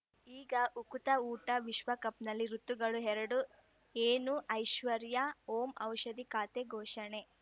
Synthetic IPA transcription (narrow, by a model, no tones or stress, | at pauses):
iːɡɐʔukut̪ɐuːʈɐʋiʃʋɐkɐp̚nɐlːiɾut̪ːuɡɐɭuɦɛɾɐɽu | eːnuʔɐjʃʋɐɾjɐoːmɐwʃɐd̪ikaːt̪eɡʱoːʃɐɳe